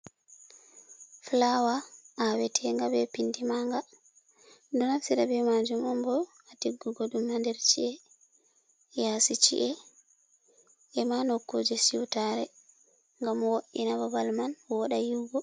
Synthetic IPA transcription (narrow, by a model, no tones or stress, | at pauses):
flawaʔawɛtʰɛŋɡabɛpindimaŋɡa | dunasiɾabɛmad͡ʒumɔmbɔ | atiɡːuɡodumandɛɾt͡ʃiɛ | jasit͡ʃḭʔɛ | ɛmanokːod͡ʒɛsiwtaɾɛ | ŋɡamwoʔinababalmanwɔɗajiɡɔ